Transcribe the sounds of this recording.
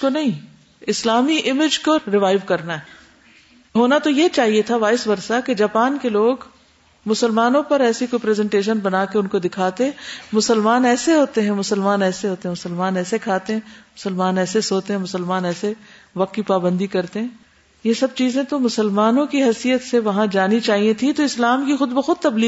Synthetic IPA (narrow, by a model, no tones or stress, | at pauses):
konɐɦĩ | ɪslaːmiʔɪmɪd͡ʒkoɾɪʋaːɪʋkɐɾnaɦɛ | ɦoːnat̪ojet͡ʃaːɦiet̪ʰaʋaːɪsbɐɾsaked͡ʒaːpaːnkeloːɡ | mʊsəlmaːnõpɐɾɛːsikopɾɛːzɛ̃ɳʈeːʃ̬ənbɐnaːkeʊnkod̪ɪkʰaːt̪eɦɛ̃mʊsəlmaːnɛːseɦoːt̪eɦɛ̃mʊsəlmaːnɛːseɦoːt̪eɦɛ̃mʊsəlmaːnɛːsekʰaːt̪eɦɛ̃mʊsəlmaːnɛːsesoːt̪eɦɛ̃mʊsəlmaːnɛːse | ʋɐq̚t̪kipaːbə̃nd̪ikɐɾt̪eɦɛ̃ː | jesɐb̚t͡ʃiːzẽt̪omʊsəlmaːnõkiɦɛsijət̪seʋɐɦãd͡ʒaːnit͡ʃaːɦiẽt̪ʰit̪oɪslaːmkixʊd̪̚bɐxʊd̪̚t̪ɐbliː